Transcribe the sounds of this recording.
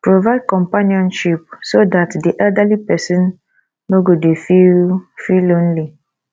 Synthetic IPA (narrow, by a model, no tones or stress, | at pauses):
pɾovaɪd̚kɔ̃mpaniɔ̃nʃip̚sodatdiʔɛldalipɛsɔ̃nː | oɡodefifilõnli